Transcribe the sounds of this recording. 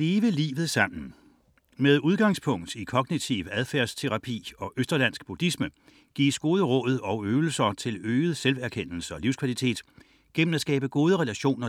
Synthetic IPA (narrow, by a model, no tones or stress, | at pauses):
le̝ːʋəlḭːʋð̩ˠsɑ̈m̰n̩ | með̞ˠuð̞ˠɡ̥ɑ̈ŋspʰɔ̽ŋ̰d̥ikʰɒ̽ɡ̥nit͡sʰiʊæð̞ˠfæɐst͡sʰe̝ʁɑ̈pʰḭːɒ̽ʔøsd̥ɐlæn̰sɡ̥̚b̥ud̥ismə | ɡ̥ḭːsɡ̥o̝ːð̞ˠəʁɔ̽ð̩ˠɒ̽ʊøːʊl̩sɐt͡sʰe̝løːð̞̩ˠselʋæɐkʰen̰l̩səɒ̽liʊskʰʋælit͡sʰe̝̰ːd̥ | ɡ̥en̰m̩æsɡ̥ɛ̰ːb̥əɡ̥o̝ːð̞ˠəʁelæɕo̝̰ːnɐ